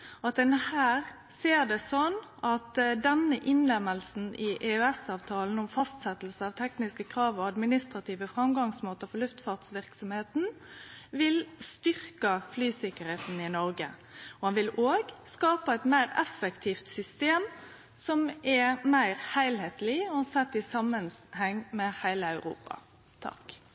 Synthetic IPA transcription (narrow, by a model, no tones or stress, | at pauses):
ɔɑt̪d̪ɛnəhæːʁ | seːʁd̪ɛsɔnɑt̪d̪ɛnəʔɪnlɛməlsn̩ʔɪʔeːœɛsɑːʋt̪ʰɑːln̩ɔmfɑst̪sɛt̪l̩səɑʋt̪ʰɛknɪskəkʰɾɑːʋɔɑd̪mɪnɪst̪ʁɑt̪ʰiːʋəfʁɑmɡɑŋsmoːt̪əfɔlʉft̪fɑːʁt̪sʋɪʁksɔmheːt̪n̩ | ʋɪlst̪ʏʁkəflyːsɪkəɾheːt̪n̩ɪnɔɾɡə̰ | ɔhɑnʋɪloːɡskɑːpəɛt̪mæɪʁɛfəkt̪ʰiːft̪sʏst̪eːm | sɔmɛmæɪʁhæɪlheːt̪lɪɔɑsɛt̪ːɪsɑmənhɛŋːmɛhæɪləɑʉʁṵːpɑ̰ | t̪ʰɑ̰k